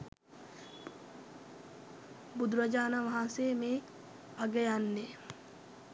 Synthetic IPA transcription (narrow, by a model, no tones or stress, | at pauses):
bud̪uɾad͡ʒaːnaʋaɦanseːmeː | aɡejanːe